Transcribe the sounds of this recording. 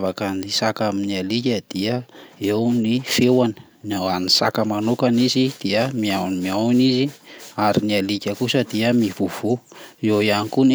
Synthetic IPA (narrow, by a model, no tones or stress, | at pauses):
vakanisakaminialikʲəd̪̥iəewnifewanə̥ | nawanisa̰kəmanokanizid̪̥iəmiawnimiawniziaɾinialikʲəkusəd̪iəmiv̥uv̥uewianikun